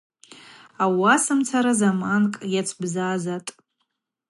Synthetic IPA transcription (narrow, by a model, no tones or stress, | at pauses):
awasɨmt͡sʰaɾazamankʼjat͡sʰbzaːzatʼ